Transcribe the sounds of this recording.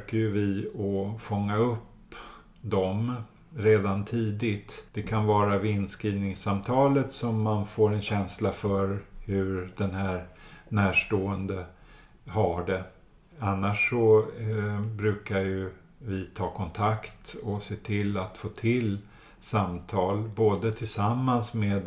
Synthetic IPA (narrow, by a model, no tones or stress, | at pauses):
kajɵvɪɔfɔŋːaɵpː | d̪ɔm | ɾeːd̪ant̪ʰiːd̪ɪt̪d̪̥ɛkʰanvɑːɾavɪnːskɾiːvnɪŋsamt̪ʰɑːlət̪sɔmːanfoːɾɛnɕɛnslafœɾhɵɾd̪ɛnhæːɾnæːʂʈoːənd̪ə | haɖɛ | anːaʂːɔ | bɾʉ̟ːkaɾjɵ | vɪt̪ʰɑːkʰɔnt̪ʰakt̪ɔseːt̪ʰɪlːat̪foːt̪ʰɪl | samt̪ʰɑːlboːd̪ət̪ʰɪlsamːansmeːd̪